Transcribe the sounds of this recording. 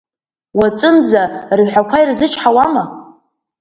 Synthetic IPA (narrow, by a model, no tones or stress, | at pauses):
wat͡sʼɨnd͡zarʒʷħʷakʷʰajrzɨt͡ʃʰħawama